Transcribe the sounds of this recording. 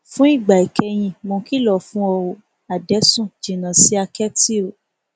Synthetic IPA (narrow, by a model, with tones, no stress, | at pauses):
fũ˦i˦˨ɡ͡ba˨i˨kɛ˧j̃ĩ˧mõ˧˦ki˦lɔ˦˨fũ˦ɔ˧wo˨ | a˨dɛ˨˦sũ˦˨d͡ʒĩ˨nã˨si˨˦a˧kɛ˦ti˦˨ɾo˨